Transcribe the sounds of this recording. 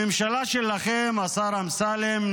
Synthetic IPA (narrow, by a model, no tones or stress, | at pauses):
ɪmʃalaʃelaxemasaɾamsaːlemn